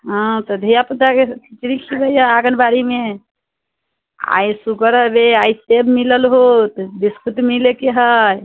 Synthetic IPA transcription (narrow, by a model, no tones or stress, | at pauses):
ɦɔ̃t̪əd̪ʱijaput̪akekit͡ʃɾikʰibəjaaɡənbaɾime | a̰jsukəɾəbeajsebmiləlɦot̪b̪iskut̪milekeɦəj